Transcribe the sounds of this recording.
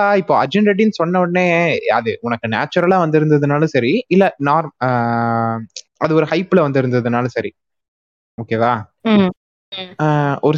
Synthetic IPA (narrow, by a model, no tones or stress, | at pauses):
aːɪpːoːɐd͡ʒɛɳɖɾɐʈːinɯsɔnːɐʋɐɳnːeːɐðɯʊnɐkːɯna̰ːt͡ʃːɐɾɐlãːʋɐnd̪ɪɾɯnd̪ɐðɯnaːlɐ̃sɐɾiɪlːɐnaːɾm | ɐðɯɔɾɯhɐɪplɐʋɐnd̪ɪɾɯnd̪ɐðɯnaːlɐsɐɾi | oːkeːðãː | ɔɾɯ